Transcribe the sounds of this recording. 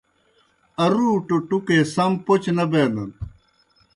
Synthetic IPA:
ɐɾuːʈoʈukesɐmpot͡ɕnɐbeːnɐn

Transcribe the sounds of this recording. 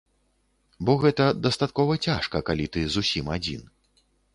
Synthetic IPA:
bɔɣɛt̪ɐd̪ɐst̪at̪̚kɔvɐt͡sʲaʂkɐkalʲit̪ɨzusʲimad͡zʲḭn

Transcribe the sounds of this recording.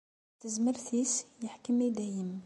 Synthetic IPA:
t̪əzməɾθisjəħkəmid̪æjəm

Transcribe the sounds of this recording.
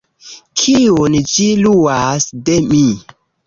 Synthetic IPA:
kʰiond͡ʒiluasdemi

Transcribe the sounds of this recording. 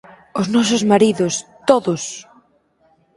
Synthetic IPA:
ʊznɔsʊzmaɾiðʊst̪oðʊs

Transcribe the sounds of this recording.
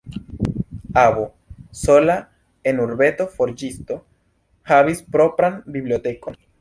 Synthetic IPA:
aβo | sola | enuɾbe̞t̪o̞foɾd͡ʒist̪o̞ | haβispɾo̞pɾambiβliot̪e̞kon

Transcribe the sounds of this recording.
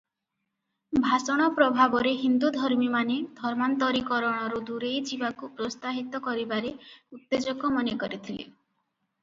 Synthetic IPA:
bʱasɔɽ̃ɔpɾɔbʱabɔɾeɦind̪ud̪ʱɔɾmimaned̪ʱɔɾmant̪ɔɾikɔɾɔɽ̃ɔɾud̪uɾejd͡ʒibakupɾost̪aɦit̪ɔkɔɾibaɾeut̪ːed͡ʒɔkɔmɔnekɔɾit̪ʰilḛ

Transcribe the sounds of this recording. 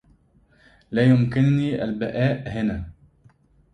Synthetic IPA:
laːjʊmkɪnniːʔa̰lbaʔaːʔhɪnaː

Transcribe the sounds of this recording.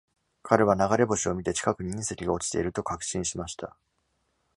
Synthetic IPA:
kʰaɾe̞β̞anaɡaɾe̞bo̞ɕio̞mʲit̪e̞t͡ɕi̥kakɯ̟ɲ̟iɲĩse̞kʲiɡao̞t͡ɕi̥t̪e̞̰iɾɯ̟t̪o̞kakɯ̟̥ɕĩɰ̃ɕimaɕi̥t̪a

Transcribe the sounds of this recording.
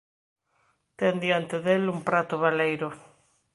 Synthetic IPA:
t̪end̪jant̪ɪðelumpɾat̪ʊβalejɾʊ

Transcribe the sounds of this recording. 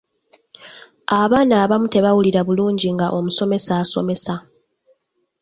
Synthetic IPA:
aβaːnaːβamute̞βawuliɾaβuluːɲɟiŋɡaʔo̞muso̞me̞saːso̞̰me̞sa

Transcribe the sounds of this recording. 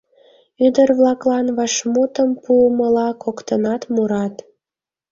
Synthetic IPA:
yd̪ərβlɑklɑnβɑʃmut̪əmpuəməlɑkokt̪ənɑt̪muɾɑt̪

